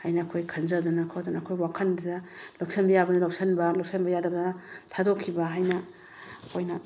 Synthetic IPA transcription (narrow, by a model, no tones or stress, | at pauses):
hajnɐːkʰojkʰɐnzɐdunɐkʰodunɐɐkʰojwakʰɐndadɐloksɐnbɐjabɐd̪ɐlawk̚sɐnbɐlok̚sɐnbɐjadɐbdnɐtʰadokʰibɐɦajnɐ | kʰojnɐ